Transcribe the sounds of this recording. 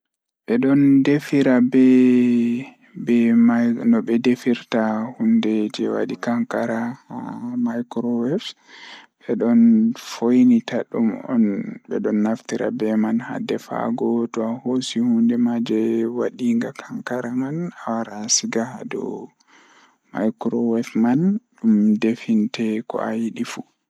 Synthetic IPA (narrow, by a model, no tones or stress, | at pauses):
ɓɛɗɔndefiɾabɛ | bɛmanɔbɛdefiɾtahundɛd͡ʒɛwa̰ɗikaŋkaɾahamajkɾɔwɛft | ɓɛɗɔnfojnitaɗumɔ̰nbɛɗɔnːaftiɾa̰bɛmanha̰dɛfa̰ɡɔtɔahosihundɛmad͡ʒɛwaɗiŋɡakʰaŋkaɾamanawaɾasiɡahadɔ̰ | majkɾɔwɛfmanɗumdefintɛkɔ̰ajiɗifu